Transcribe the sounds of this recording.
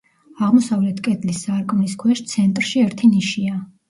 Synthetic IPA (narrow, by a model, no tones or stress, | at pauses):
aʁmɔsavlɛt̪ʰkʼɛd̪lisːaɾkʼmniskʰwɛʃt̪sʰɛnt̪ʼɾʃiɛɾt̪ʰiniʃia